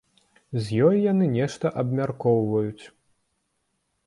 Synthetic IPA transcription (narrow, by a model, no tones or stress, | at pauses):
zʲjɔjjanɨnʲɛʂt̪ɐʔɐbmʲarkɔwvɐjut͡sʲ